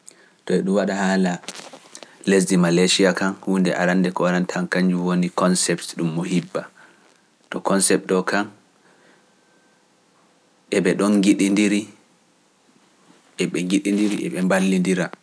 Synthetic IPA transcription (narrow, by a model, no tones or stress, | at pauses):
tɔɛɗumwaɗahaːla | les̬dimalaʃiakanhundɛ̰ʔa̰ɾandɛkɔaɾantʰaŋkaɲd͡ʒuwonikɔnsɛptɗumːɔhibːa | tɔkɔnsɛp̚tɔkan | ʔɛɓɛɗɔnŋɡiɗindiɾi | ʔɛɓɛŋɡiɗindiɾiʔɛ̰ɓɛmbalːindiɾa